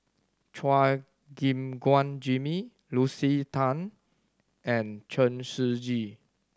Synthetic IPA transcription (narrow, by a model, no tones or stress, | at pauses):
t͡ʃʰwa | ɡĩmɡwãnd͡ʒimi | lusit̪ʰãn | ɛ̃nt͡ʃə̃nsud͡ʒi